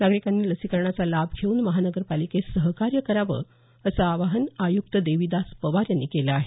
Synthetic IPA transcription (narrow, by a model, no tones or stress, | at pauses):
naɡɾikanːiːləsikəɾɳat͡salabkʰeuːnməɦanəɡəɾpalikesəɦkaɾjəkəɾaʋə̰ | əsaːʋaɦənajukt̪əd̪eʋid̪aspəʋaɾjanːikelaːɦe